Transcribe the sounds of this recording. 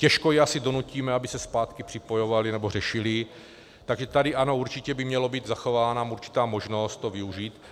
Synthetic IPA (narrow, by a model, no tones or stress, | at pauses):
cɛʃkojɛasɪdo̞nuciːmɛabɪsɛspaːt̪kɪpr̝̥ɪpo̞jo̞valinɛbo̞r̝ɛʃɪlɪ | t̪aɡʒɛt̪adɪʔano̞uɾt͡ʃɪcɛbɪmɲɛlo̞biːd̪zaxo̞vaːnaːmuɾt͡ʃi̥t̪aːmo̞ʒno̞st̪hovɪuʒiːt̪